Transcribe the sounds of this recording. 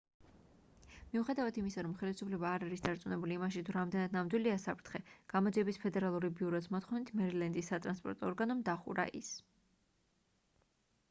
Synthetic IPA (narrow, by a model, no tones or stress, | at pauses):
miuχɛd̪avad̪ʰimisaɾɔmχɛlisupʰlɛbaːɾaɾisd̪aɾt̪sʼunɛbuliːmaʃ̬it̪ʰuɾamd̪ɛnad̪̚namd̪wiliasapʰɾt̪ʰχɛɡ̥amɔd̪ziɛbispʰɛd̪ɛɾalˠuɾibiuɾɔsmɔt̪ʰχɔnit̪ʰmɛɾilɛnd̪isːat̪ʼɾanspʼɔ̰ɾt̪ʼɔːɾɡanɔmd̪aχṵɾa̰ʔḭs